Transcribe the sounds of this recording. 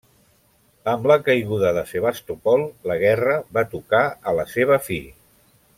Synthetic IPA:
əmləkəjɣuðəðəseβ̞ast̪upɔlˠləɣ̞ɛrəβat̪ukaələseβ̞əfiʎ

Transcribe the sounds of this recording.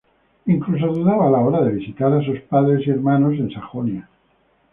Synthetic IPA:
iŋklus̬aðuðaβaːlao̞ɾaðe̞β̞isit̪aɾas̬uspaðɾe̞sie̞ɾmano̞s̬e̞nsaxonja

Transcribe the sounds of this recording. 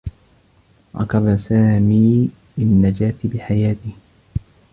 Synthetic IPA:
ɾɑ̰kɑbasaːmiː | ʔɪnːad͡ʒaːt̪ɪbɪħajaːt̪ɪh

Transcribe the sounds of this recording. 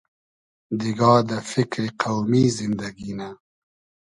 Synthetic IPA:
d̪iɡɑːd̪əfɪkɾeqawmizɪnd̪aɡina

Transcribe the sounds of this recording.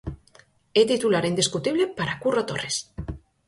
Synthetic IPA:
et̪it̪ulaɾind̪iskut̪iβlepaɾakurot̪ores

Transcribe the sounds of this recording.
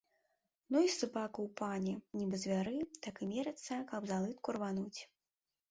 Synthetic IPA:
nuisɨbakɐwpanʲɛnʲibɨzʲvʲaɾɨt̪akɨmʲɛɾɐt̪sɐkɐbzalˠɨt̪̚kurvanut͡sʲ

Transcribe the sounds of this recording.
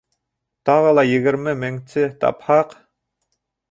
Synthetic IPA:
t̪ʰɑʁəlˠɑjiɡɪɾmɪmɪŋt͡ʃʰɪt̪ʰɑ̰phɑq

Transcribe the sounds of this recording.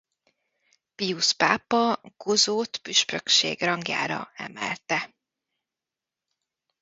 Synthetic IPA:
pijuspaːpɒɡ̥ozoːt̪pyʃpøkʃḛːɡrɒŋɡja̰ːɾɒ̰ɛ̰mɛ̰lt̪ɛ

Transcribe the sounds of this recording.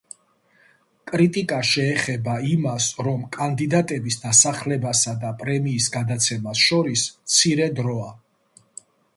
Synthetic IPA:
kʼɾit̪ʼikʼaʃɛːχɛbaimasɾɔmkʼand̪id̪at̪ʼɛbisd̪asaχlɛbasad̪apʼɾɛmiːsɡad̪at̪sʰɛmasʃɔɾismt̪sʰiɾɛd̪ɾɔa

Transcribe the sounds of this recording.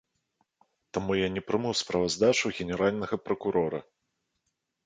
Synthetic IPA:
t̪amujanʲɛpɾɨmɨwspɾɐvazd̪at͡ʂuɣʲɛnʲɛɾalʲnɐɣɐpɾɐkuɾɔɾɐ̰

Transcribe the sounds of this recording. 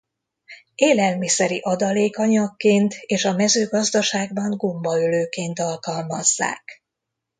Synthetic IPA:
eːlɛlmisɛɾiʔɒd̪ɒleːkɒɲɒkːeːnt̪eːʃɒmɛzøːɡɒzd̪ɒʃaːɡbɒŋɡo̞mbɒøløːkeːnt̪ɒlkɒlmɒzːa̰ːk

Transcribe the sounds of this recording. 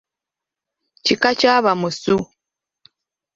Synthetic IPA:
cikacaβamusu

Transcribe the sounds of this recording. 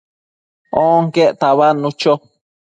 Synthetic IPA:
oŋkeʔt̪aβanũt͡ʃo

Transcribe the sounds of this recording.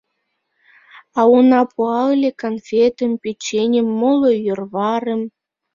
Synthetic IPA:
ɑunɑpuɑlʲekonfʲet̪ə̆mpet͡ɕːenʲə̆mːolojørβɑɾə̆m

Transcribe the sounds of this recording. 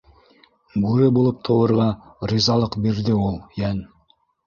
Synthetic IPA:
ɡʉɾɪbolˠəp̚t̪ʰowɤ̆ɾʁɑɾizɑlˠəqbeɾd̪ɪwolˠjæn

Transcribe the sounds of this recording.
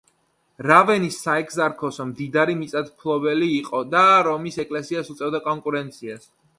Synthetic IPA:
ɾavɛnisːaɛkʰzaɾkʰɔsɔmd̪id̪aɾimit̪sʼat̪ʰpʰlˠɔbɛliːqʼɔd̪aɾɔmisɛkʼlɛsiasut̪sʼɛvd̪akʼɔŋkʼuɾɛnt̪sʰias

